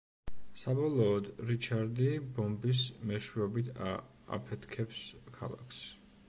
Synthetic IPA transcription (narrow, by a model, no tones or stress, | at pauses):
sabɔlˠɔːd̪ɾit͡ʃʰaɾd̪ibɔmbis̬mɛʃwiɔbit̪ʰa | a̰pʰɛt̪ʰkʰɛpskʰa̰lˠa̰kʰs